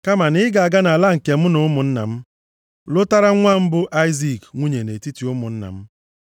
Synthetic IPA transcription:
ka˦ma˨nɪ˦ɪ˦ɡa˨a˨ɡa˦na˨a˨la˦ŋ̩˨ke˨m̩˦nʊ˦mʊ˨n̩˦na̰˨m̩˦ | lʊ˦ta˦ɾa˦ŋʷa˦m̩˦bʊ˦ʔa˦ɪ˦zi˨kŋʷu˦ɲe˨ne˨ti˦ti˨˦ʊ˦mʊ˨n̩˦na̰˨m̩˦

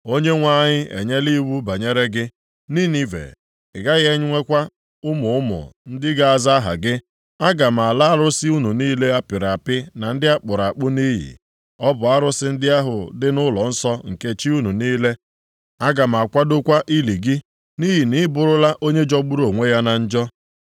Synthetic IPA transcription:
o˦ɲe˦ŋʷa˦˨ɲɪ˦ḛ˨ɲe˦li˦wu˦ba˨ɲe˦ɾe˦ɡɪ˦ | niː˦ni˦vḛ˨ | ɪ˨ɡa˦ɣe˦ɲʊ˦ŋʷe˦kʷa˦ | ʊ˦mʊ˨ʊ˦mʊ̰˨n̩˦dɪ˦ɡa˦˨a˨za˦ɦa̰˨ɡɪ˦ | a˦ɡa˨m̩˨a˨la˦a˦ɾʊ˦sɪ˦u˦nu˨niː˦le˦a˦pɪ˨ɾa˨pɪ˦na˨n̩˦dɪ˦a˦k͡pʊ˨ɾa˨k͡pʊ˦niː˦ɦḭ˨ | ɔ˦bʊ˨a˦ɾʊ˦sɪ˦n̩˦dɪ˦a˦ɦʊ˨dɪ˦nʊ˦lɔ˨n̩˦sɔ˦ŋ̩˨ke˦t͡ʃi˦u˦nu˨niː˦le˦ | a˦ɡa˨m̩˨a˨kʷa˦dʊ˦kʷa˦ʔi˦li˨ɡɪ˦ | niː˦ɦi˨ni˦bʊ˨ɾʊ˦la˦ʔo˦ɲe˦d͡ʒɔ˦ɡ͡bu˦ɾo˨ŋʷe˦ja˦na˨n̩˦d͡ʒɔ˦

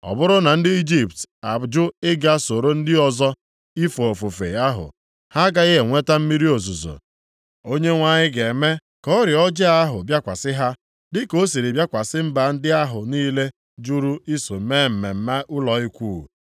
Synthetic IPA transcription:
ɔ̰˨bʊ˦ɾʊ˦na˨n̩˦dɪ˦i˦d͡ʒi˦˨p̚ta̰˨d͡ʒʊ˦ɪ˦ɡa˦so˨ɾo˦n̩˦dɪ˦ɔ˨zɔ˦ | i˦fo˨o˨fo˨fḛ˨a˦ɦʊ̰˨ | ha˦ɡa˦ɪ˦ɦe˨ŋʷe˦ta˦m̩˦mi˦ɾi˦o˨zu˨zo̰˨ | o˦ɲe˦ŋʷa˨ɲɪ˦ɡe˨me˦ | kɔ˦ɾɪ˨ɔ˦d͡ʒe˦a˦ɦʊ˨bja˦kʷa˨sɪ˦ɦa˦ | dɪ˦ko˦si˨ɾi˨bja˦kʷa˨sɪ˦m̩˦ba˨˦n̩˦dɪ˦a˦ɦʊ˨niː˦le˦ | d͡ʒu˦ɾu˦i˦so˨˦me˦m̩˨me˨m̩˦me˦ʔʊ˦lɔ˨i˦kʷuː˦˨

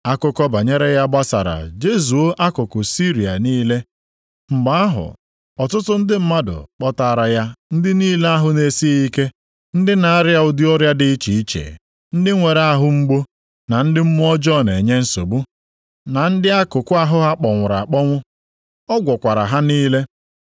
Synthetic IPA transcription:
a˦kʊ˦kɔ˦ba˨ɲe˦ɾe˦ja˦ɡ͡ba˦sa̰˨ɾa̰˨d͡ʒe˦z̬u˨o˦ʔa˦kʊ˨kʊ˨si˦ɾi˨a̰˨niː˦le˦ | ŋ͡m̩˨ɡ͡ba˦a˦ɦʊ̰˨ | ɔ˨tʊ˦tʊ˦n̩˦dɪ˦m̩˦ma˦dʊ̰˨k͡pɔ˦ta˨ɾa˨ja˦n̩˦dɪ˦niː˦le˦a˦ɦʊ˦ne˨si˦i˦ke˦ | n̩˦dɪ˦na˨a˦ɾja˨ʊ˨dɪ˦ɔ˦ɾja˦dɪ˦i˦t͡ʃi˨i˦t͡ʃḛ˨ | n̩˦dɪ˦ŋʷe˨ɾa˦ɦʊ˦ŋ͡m̩˦ɡ͡bo˦ | na˨n̩˦dɪ˦m̩˦mʊ˦ɔ˦d͡ʒɔ˦˨ne˨ɲe˦n̩˦so˨bu˦ | na˨n̩˦dɪ˦a˦kʊ˨kʊ˦a˦ɦʊ˦ɦa˦k͡pɔ˨ŋʷʊ˨ɾa̰˨k͡pɔ˦ŋʷʊ˦ | ɔ˦ɡʷɔ˨kʷa˨ɾa̰˨ɦa˦niː˦le˦

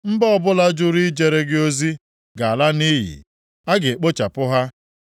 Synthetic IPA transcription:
m̩˦bɔ˦ɔ˦bʊ˦la˦d͡ʒʊ˦ɾi˦d͡ʒe˨ɾe˦ɡɪ˦o˦zi˦ | ɡa˨a˨la˦ni˦ɦḭ˨ | a˦ɡe˨e˨k͡po˦t͡ʃa˨pʊ˦ɦa˦

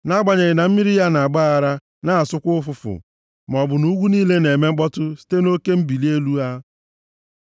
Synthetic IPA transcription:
na˦ɡ͡ba˨ɲe˨ɣɪ˨na˨m̩˦mi˦ɾi˦ja˦na˨a˨ɡ͡ba˦a˨ɾa˦ | na˦a˨sʊ˦kʷʊ˦ʊ˦fʊ˦˨fʊ̰˨ | m˨ɔ˨bʊ˨nu˦ɡʷu˦niː˦le˦ne˨me˦k͡pɔ˦tʊ˦si̥˦te˦no˦ke˦m̩˦bi˨li˦e˦lu˦a˦

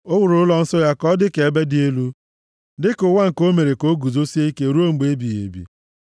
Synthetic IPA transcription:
ʊ˦wʊ˨ɾʊ˨˦lɔ˦n̩˦sʊ˦ja˦kɔ˦dɪ˦ke˨e˨be˦dɪ˦e˦lu˦ | dɪ˦kʊ˨wa˦ŋ̩˨ko˦me˨ɾe˨ko˦ɡu˨zo˦si˦e˦i˦ke˦ɾu˦o˦ŋ͡m̩˨ɡ͡be˨e˦bi˨ḛ˨bḭ˨

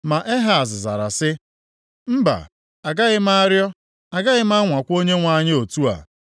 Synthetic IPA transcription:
ma˨ʔe˦ɦa˦˨zɪ˨za̰˨ɾa̰˨sɪ˦ | m̩˦ba̰˨ | a˨ɡa˦ɣɪ˦m˦a˦ɾjɔ˦ | a˨ɡa˦ɣɪ˦m˦a˦ŋʷa˨kʷo˦ɲe˦ŋʷa˨˦ɲɪ˦o˨tu˦a̰˨

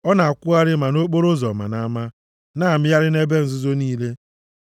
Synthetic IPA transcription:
ɔ˦na˨a˨kʷʊ˦a˦ɾɪ˦ma˨no˦k͡po˦ɾo˦zɔ˨ma̰˨na˦ma˦ | na˦˨a˨mɪ˦ja˦ɾɪ˦ne˦be˦n̩˨zʊ˦zo˦niː˦le˦

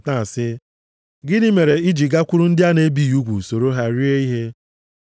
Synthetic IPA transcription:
ta˨a˨sɪ˦ | ɡɪ˦ni˦me˨ɾe˨i˦d͡ʒi˨ɡa˦kʷu˦ɾu˦n̩˦dɪ˦a˦ne˦bi˦˨u˦ɡʷṵ˨so˨ɾo˦ɦa˦ɾi˦e˦i˦ɦe˦

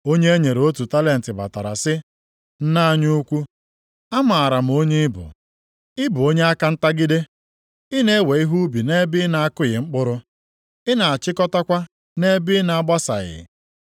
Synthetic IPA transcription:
o˦ɲe˦ɲe˨ɾo˦tu˨ta˦le˦n̩˨tɪ˨ba̰˨ta˨ɾa̰˨sɪ˦ | n̩˦na˦ɲu˦u˦kʷu˦ | a˦ma˨a˨ɾa˨m̩˨o˦ɲe˦ɪ˦bʊ̰˨ | ɪ˦bʊ˨o˦ɲe˦a˦ka˦n̩˦ta˦ɡɪ˦de˦ | ɪ˦ne˦we˨i˦ɦu˦bi˨ne˦bɪ˦na˨a˦kʊ˦ɣɪ˨ŋ͡m̩˦k͡pʊ˦ɾʊ˦ | ɪ˦na˨a˨t͡ʃɪ˦kɔ˦ta˦kʷa˦ | ne˦bɪ˦na˨a˦ɡ͡ba˦sa̰˨ɣɪ̰˨

